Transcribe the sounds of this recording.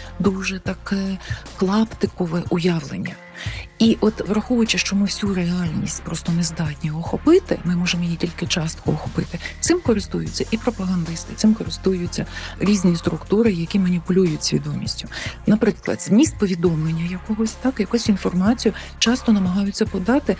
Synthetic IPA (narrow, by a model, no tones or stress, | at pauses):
d̪uʒɛt̪ɐkɛklˠɑpt̪ɪkɔʋɛʔʊjɑʋlˠḛnʲːɐ̰ | iʔɔt̪ʋɾɐxuʋʊjt͡ʃɪʃt͡ʃɔmɪwsʲureɑlʲnʲisʲtʲpɾɔst̪ɔnezd̪ɑtʲnʲijɦɔxɔpɪt̪ɪ̰mɪmɔʒemɔjitʲilʲkɪt͡ʃɑst̪kɔɔxɔpɪt̪ɪt̪sɪmkɔɾɪst̪ujʊt͡sʲːɐʔipɾɔpɐɦɐnd̪ɪst̪ɪt̪sɪmkɔɾɪst̪ujʊt͡sʲːɐɾʲizʲnʲist̪ɾʊkt̪uɾɪjɐkʲimɐnʲipʊlʲujʊt͡sʲsʲʋʲḭd̪ɔmʲisʲtʲʊnɐpɾɪklˠɐ̰d̪zʲmʲisʲt̪̚pɔʋʲid̪ɔmlˠenʲːɐjɐkɔɦɔsʲt̪ɑkjɐkusʲinfɔrmɑt͡sʲijʊ | t͡ʃɑst̪ɔnɐmɐɦɑjʊt͡sʲːɐpɔd̪ɑt̪ɪ